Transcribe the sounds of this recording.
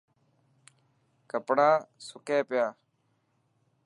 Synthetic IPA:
kəpɽaːsʊkẽːpɪjaː

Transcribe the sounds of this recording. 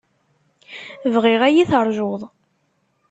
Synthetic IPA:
vʁɪʁæjiθəɾˤʒoðˤ

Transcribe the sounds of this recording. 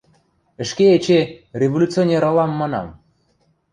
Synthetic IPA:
ɘ̆ʃkeet͡ɕerʲevolʲut͡sɨonʲeɾɑlˠɑmːɑnɑ̰m

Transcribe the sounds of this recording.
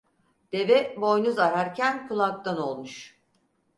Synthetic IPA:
d̪̥e̞vɛbo̞jnuzaɾaɾcʰænkʰulˠak̚t̪ano̞lˠmuʃ

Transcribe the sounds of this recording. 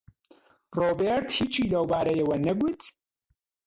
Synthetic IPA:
roːbeɾt̪hiːt͡ʃʰiːlɐwbaːɾɐjɐwɐnɐɡʊt̪

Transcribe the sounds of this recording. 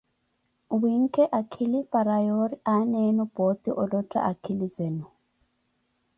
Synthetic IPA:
wiŋ̩kʰɛʔakʰilipʼaɾajɔɾiʔanɛnub̥ɔt̪iʔɔlɔtʼa̰ʔakʰilizɛnu

